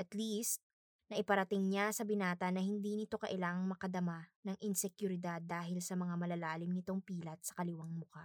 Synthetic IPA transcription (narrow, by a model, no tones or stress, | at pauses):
ʔɐt̪list̪̚ | nɐʔɪpɐɾɐt̪ɪŋɲasɐbɪnaːt̪ɐnɐhɪnd̪inɪt̪o̞kɐʔɪlaːŋɐŋmɐkɐd̪ɐmanɐŋʔɪnsɛkjʊɾɪd̪ad̪ːaːɦɪlsɐmɐŋamɐlɐlaːlɪmnɪt̪o̞ŋpiːlɐt̪̚sɐ̥kɐlɪwaŋmʊka